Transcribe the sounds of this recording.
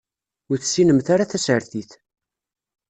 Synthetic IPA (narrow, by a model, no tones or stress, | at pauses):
ʊɾθsːinəmθaɾaθæsəɾθiθ